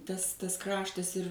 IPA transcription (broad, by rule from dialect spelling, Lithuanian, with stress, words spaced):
ˈtɐs ˈtɐs ˈkrɑːʃtɐs ɪr